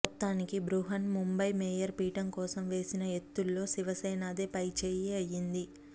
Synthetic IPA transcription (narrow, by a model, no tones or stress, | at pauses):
t̪ːaːnikibɾuɦɐnmumbɐjmɛːjɐɾpiːʈɐmkɔːsɐmʋe̞ːsinɐɦet̪ːulːo̞ːsiʋɐsɛjnaːd̪eːpɐjt͡ʃeːjeɐjːind̪i